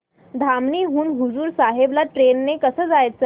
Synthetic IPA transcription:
d̪ʱamniːɦuːɳɦud͡zuːɾsaɦeblaʈɾenːekəsəːd͡zajt͡s

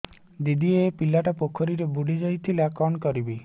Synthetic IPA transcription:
d̪id̪ʱiepilaʈɔpokʰɔɾiɾebuɽid͡ʒɔjt̪ʰilakɔɳkɔɾibi

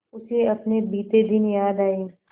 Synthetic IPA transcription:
ʊseɐpnebiːt̪ed̪ɪnjaːd̪aːe

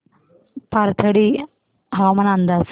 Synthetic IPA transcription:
paɾt̪ʰɐɽi | ɦamɐnand̪as

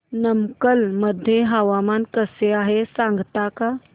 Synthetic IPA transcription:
nəmkəlməd̪ʱjeɦaʋamankəseaɦesãŋɡt̪aka

